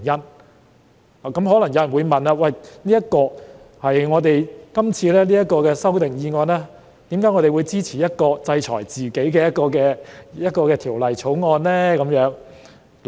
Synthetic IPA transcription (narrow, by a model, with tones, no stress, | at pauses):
jɐ˥n | aː˨kɐ˨˥mɦɔː˨˥lɐ˨˩ŋjɐ˨˧wjɐ˨˩nwuː˨˧jmɐ˨naː˧wɐ˨jniː˥jɐ˥t̚kɔː˧hɐ˨jŋɔː˨˧t̪e˨jkɐ˥mt͡sʰiː˧lɛː˥liː˥jɐ˥t̚kɔː˧kɛː˧sɐ˥wt̪ɪ˨ŋjiː˧ŋɔː˧nlɛː˥ | t̪iː˨˥mkaː˨˥jŋɔ˨˧ɾe˨˩wu˨˧jt͡siː˥t͡sʰiː˨˩jɐ˥t̚kɔː˧t͡sɐ˧jt͡ʃʰɔ̰ː˨˩jt͡siː˨ke˨˥jkɛː˧jɐ˥t̚kɔː˧kɛː˧jɐ˥t̚kɔː˧kɛː˧t̪ʰiː˨˩wlɐ˨jt͡sʰo˨˥wŋɔː˧nlɛː˥kɐ˨˧mjœː˨˥ŋ